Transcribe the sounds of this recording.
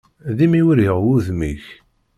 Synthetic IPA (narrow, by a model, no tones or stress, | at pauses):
ðimiwiɾəʁwuðmiç